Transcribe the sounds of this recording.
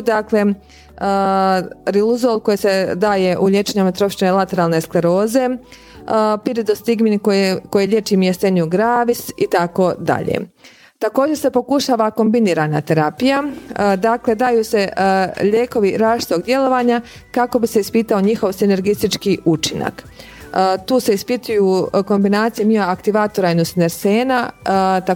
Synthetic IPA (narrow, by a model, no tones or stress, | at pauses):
d̪akle̞ | ɾiluzoːlˠko̞jise̞d̪aːje̞ʔuʎe̞t͡ʃeɲamet̪ɾo̞fʃinelˠat̪e̞ɾaːlˠnesklˠeɾo̞ːze̞ | piɾid̪ost̪iɡminkokojiʎʲet͡ʃiːmjest̪eɲuɡɾaːʋisḭt̪ako̞d̪a̰ʎḛ | t̪ako̞ːd͡ʑese̞po̞kuʃaːʋako̞mbiniːɾanat̪e̞ɾapijad̪akle̞d̪aːjuːse̞ʎeːko̞ʋiɾaːʃi̥t̪o̞ɡd̪je̞lo̞ʋaɲa | kako̞bise̞ispiːt̪aoɲixo̞ʋsine̞ɾɡist̪it͡ʃkiut͡ʃina̰k | t̪uːse̞ispit̪ujuko̞mbinaːt̪sijemioakt̪iʋaːt̪oɾainusineɾseːnat̪a